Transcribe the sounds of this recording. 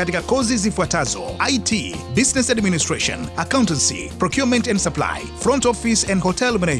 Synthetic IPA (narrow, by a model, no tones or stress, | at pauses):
atikakɔzizifuatazɔ̰ajtʰibiznɛsadministɹeʃɔ̰̃nakãʊ̃ntɛ̃nsḭpɹɔkjumɛ̃ntɛ̃ndsapla̰ɪ | fɹɔ̃ntɔfisɛ̃ndhɔtʰɛlmne